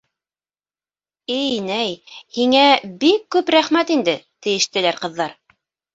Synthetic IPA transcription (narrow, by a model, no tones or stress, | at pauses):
ɘjnæjhiŋæbikːʉpɾæχmæt̪ind̪ɘt̪ɘ̆jɘ̆ʃt̪ɘ̆læɾqɤ̆ðːɑɾ